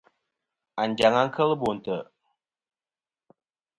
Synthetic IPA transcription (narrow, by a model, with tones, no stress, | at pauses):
a˨nd͡ʒa˨ŋa˦ŋ˦kʰə˦lbo˨n˨tə˨